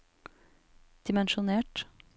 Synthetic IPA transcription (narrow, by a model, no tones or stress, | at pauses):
d̪̥ɪmɛnʃʊneːʈ